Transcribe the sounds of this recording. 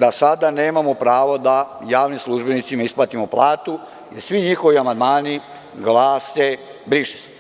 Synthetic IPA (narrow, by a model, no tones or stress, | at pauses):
d̪asad̪aneːmamo̞pɾaːʋo̞d̪ajaːʋnimslˠuʒbenit̪simaisplˠat̪imoplˠaːt̪u | jeɾsʋiɲixo̞ʋiamand̪maːni | ɡlaːsebɾiʃtu̥